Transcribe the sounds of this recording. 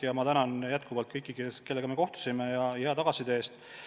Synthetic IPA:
jɑmɑt̪ænɑnjæt̪̚kuvɑlt̪̚kɤjkːˑikeskelːe̞ɡɑme̞ko̞ht̪u̥simejɑheɑt̪ɑɡ̥ɑsid̪eeːst̪

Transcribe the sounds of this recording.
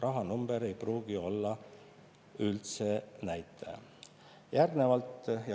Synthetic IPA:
rʔɑɦɑnumb̥e̞ɾe̞jpruːɡ̥io̞lːɑ | ylt̪se̞næjt̪ːˑḛ | jærɡne̞vɑlt̪ˑj

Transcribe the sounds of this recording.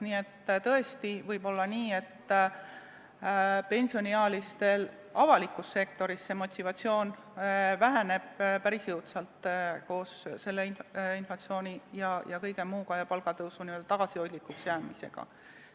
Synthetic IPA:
niːe̞t̪ːt̪ɤ̞e̞st̪ivɤjb̥o̞lːɑniːe̞t̪ː | pe̞nʲsio̞niɑːlist̪e̞l | ɑvɑlikːˑusːe̞k̚t̪o̞ɾisːemo̞t̪ʲivɑt̪ʲsio̞ːn | væɦæne̞b̥̚pæɾisjɯwt̪sɑlt̪ko̞ːsse̞lːe̞ininflɑt̪sio̞ːnʲijɑjɑkɤjɡ̥emuːɡɑjɑpɑlɡ̥ɑt̪ɤwsuniø̞ld̪̥ɑt̪ɑɡ̥ɑsio̞jd̪likːˑuksjæːmise̞̰ɡ̥ɑ̰

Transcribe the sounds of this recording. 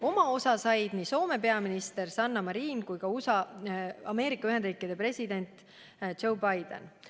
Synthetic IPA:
o̞mɑo̞sɑsɑjd̪̥niːso̞ːme̞pe̞ɑminist̪e̞rsɑnːɑmɑɾiːnkujkɑusɑɑme̞ːɾikːˑɑyɦed̪riːkˑid̪̥e̞pre̞sʲid̪e̞nʲt̪ | d͡ʒo̞wbɑjd̪̥ḛn

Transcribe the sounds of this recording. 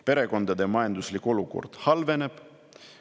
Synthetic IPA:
pe̞ɾe̞ko̞nd̪̥ɑd̪e̞mɑjɑnd̪uslikːˑo̞luko̞̰rd̪̥hɑlve̞ne̞b̥

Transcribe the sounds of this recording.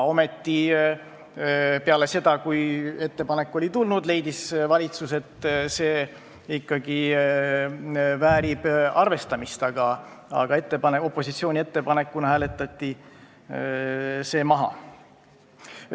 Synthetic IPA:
o̞me̞t̪ːi | pe̞ɑle̞se̞d̪̥ɑkuje̞t̪ːe̞pɑne̞kːˑo̞lʲit̪ulnud̪le̞jd̪isvɑlʲit̪suse̞t̪ːse̞ː | ikːɑɡi | væːɾib̥ɑrve̞st̪ɑmist̪ɑɡ̥ɑ | ɑ̰ɡ̥ɑe̞t̪ːepɑneo̞pːˑo̞sit̪sio̞ːnʲie̞t̪ːe̞pɑne̞kːunɑhæːle̞t̪ːˑɑt̪ˑːi | se̞ːmɑɦɑ̰

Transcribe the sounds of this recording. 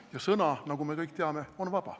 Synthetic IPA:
jɑsɤnɑnɑɡ̥ume̞kɤjk̚ˑt̪eɑme̞o̞nvɑb̥ɑ̰

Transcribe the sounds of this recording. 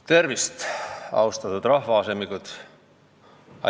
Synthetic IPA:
t̪e̞rvist̪ɑ̰wst̪ɑt̪ud̪̥rɑhvɑɑsemikut̪ | ɑ̰

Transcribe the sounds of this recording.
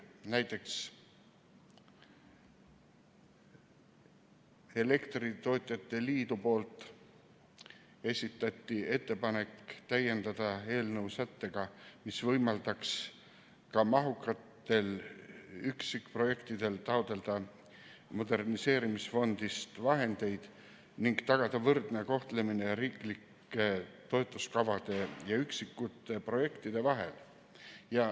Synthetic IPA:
næjt̪ːˑe̞ks | e̞le̞kt̪rit̪o̞ːt̪ʲˑjɑt̪ːe̞liːd̪upo̞ːlt̪ˑ | e̞sʲit̪ːˑɑt̪ʲˑːie̞t̪ːe̞pɑne̞kːt̪æje̞nd̪̥ɑd̪̥ɑe̞ːlnɤwsæt̪ːe̞ɡ̥ɑmisvɤjmɑld̪̥ɑks | kɑmɑɦukːˑɑt̪ːe̞l | yksikpro̞je̞kt̪id̪e̞lt̪ɑod̪̥e̞ld̪̥ɑ | mo̞d̪e̞rnise̞ːɾimisfo̞nd̪̥ist̪vɑɦe̞nd̪e̞jd̪̥ | niŋɡ̥t̪ɑɡ̥ɑd̪̥ɑvɤrd̪̥ne̞ko̞ht̪le̞minejɑɾiːklikːe̞t̪o̞et̪ˑːuskɑvɑd̪̥e̞jɑyksikːˑut̪ːˑe̞pro̞je̞kt̪id̪̥e̞vɑɦe̞̰l | jɑ

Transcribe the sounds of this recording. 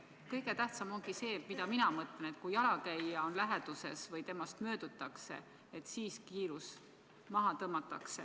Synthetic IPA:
kɤjɡe̞t̪æht̪sɑmo̞ŋɡ̥ise̞ːmid̪ɑminɑmɤt̪ˑlene̞t̪̚ːˑkujɑlɑkæjːɑo̞nlæɦed̪̥use̞̰svɤjt̪e̞mɑst̪mø̞ːd̪̥ut̪ːˑɑkse̞̰ | et̪ːsiːskiːɾus | mɑɦɑt̪ɤmɑt̪ːˑɑksḛ

